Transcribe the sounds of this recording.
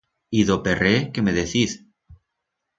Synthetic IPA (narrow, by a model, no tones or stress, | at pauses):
iðoperekemeðeθiθ